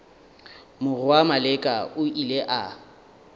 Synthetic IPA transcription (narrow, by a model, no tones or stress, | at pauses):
mʊrwamalɛkʼaʊileʔa